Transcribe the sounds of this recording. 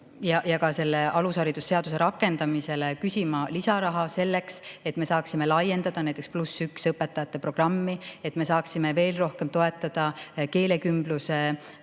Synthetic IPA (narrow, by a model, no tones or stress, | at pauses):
jɑjɑkɑse̞lːe̞ʔɑlushɑɾid̪̥usːe̞ɑd̪use̞ɾɑkːˑe̞nd̪ɑmise̞lekysʲimɑlisɑɾɑɦɑse̞lːe̞kse̞t̪me̞sɑːksime̞lɑje̞nd̪ɑd̪̥ɑnæjt̪ːˑeksplusːyksɤpːe̞t̪ːˑɑjɑt̪ːˑe̞pro̞ɡ̥rɑmːie̞t̪ːˑme̞sɑːksime̞ve̞ːlro̞hke̞mt̪o̞et̪ːˑɑd̪̥ɑke̞ːle̞kymbluse